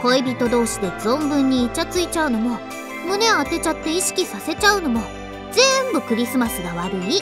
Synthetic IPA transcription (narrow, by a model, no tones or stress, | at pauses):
ko̞ebʲit̪o̞d̪o̞ːɕid̪e̞d͡zõ̞mbɯ̟̃ɲ̟ːiːt͡ɕat͡sɨit͡ɕaɯ̟no̞mo̞ | mone̞at̪e̞t͡ɕat̪ːe̞iɕi̥kʲisase̞t͡ɕaɯ̟no̞mo̞ | d͡ze̞mbɯ̟kɯ̟ɾʲisɨmasɨɡaβaɾɯ̟i